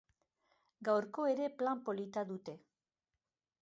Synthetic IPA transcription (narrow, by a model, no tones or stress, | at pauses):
ɡawɾko̞e̞ɾe̞plampo̞lit̪aðut̪e̞